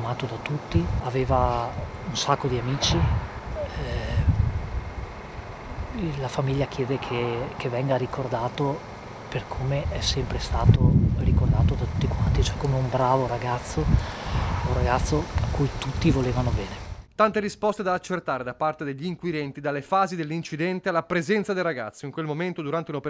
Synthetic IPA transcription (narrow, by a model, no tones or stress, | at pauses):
maːt̪od̪at̪ut̪ːiaveːva | unsakːod̪iamiːt͡ʃi | ɛ | lafamiʎːak̟jɛːd̪ekʰekevːɛŋɡaɾikʰord̪aːt̪o | perkʰomeʔɛsɛmpɾest̪aːt̪orikord̪aːt̪od̪at̪u̥t̪ːikwant̪it͡ʃoɛkːomeumbɾaːvoɾaɡat̪sːo | ũraɡat̪sːoakːujt̪ut̪ːivoleːvanobɛːnet̪ant̪eɾispɔst̪ed̪aːt͡ʃːert̪aːɾed̪apart̪ed̪eʎːiːŋkwid̪ɛnt̪id̪alːefaːzid̪elːint͡ʃid̪ɛnt̪ealːapɾezɛnt̪sad̪ejraɡat̪sːoiŋkwelmoment̪od̪uɾant̪eunope